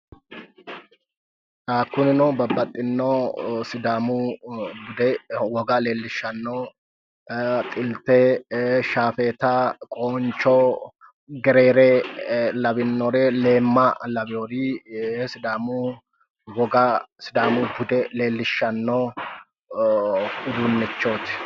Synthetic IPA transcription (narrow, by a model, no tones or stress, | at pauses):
t̪aːkːʊnɪnɔbɐbːɐt̪ʼːɪnːosɪd̪aːmʊbʊd̪ɛwɔɡɐle̞ːlːɪʃːɐnːo | t̪ʼɪlt̪ɛʃaːfeːt̪ɐkʼoːnt͡ʃːɔ | ɡɛɾeːɾelɐbɪnːɔɾeleːmːɐlɐbɪjoːɾisɪd̪aːmu | wɔɡɐsɪd̪aːmub̪ʊd̪ɛle̞ːlːɪʃːɐnːo | ʊd̪unːɛt͡ʃːoːt̪ɪ̥